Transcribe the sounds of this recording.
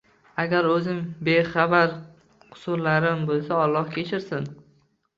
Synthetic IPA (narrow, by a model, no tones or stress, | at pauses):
aɡʲaɾɵzɪmbeχɑbaɾ | qʰʊ̥sʊɾlaɾɪmbolˠsaɒlˠːɒhkʲʰet͡ʃʰɪɾsɪn